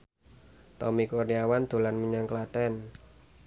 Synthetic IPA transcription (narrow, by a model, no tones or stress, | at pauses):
t̪ɔmikorniawand̪̥o̤lanməɲaŋkəlaʈɛn